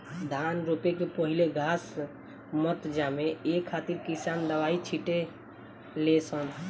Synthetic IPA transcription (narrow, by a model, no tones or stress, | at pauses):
d̪ʱanɾupekepəɦileɡʱas | mət̪d͡ʒameekʰːat̪iɾkisand̪əʋait͡ʃʰiʈe | lesən